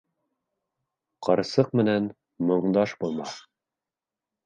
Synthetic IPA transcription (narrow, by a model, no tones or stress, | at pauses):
qʰɤɾsɤqmɘ̆næn | mɤ̆ɴd̪ɑʃbulˠmɑθ